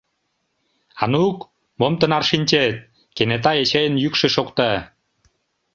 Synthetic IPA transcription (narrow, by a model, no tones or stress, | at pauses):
ɑnuk | momt̪ə̆nɑrʃinʲt͡ɕet̪̚ | kenet̪ɑet͡ɕejənjykʃĕʃokt̪ɑ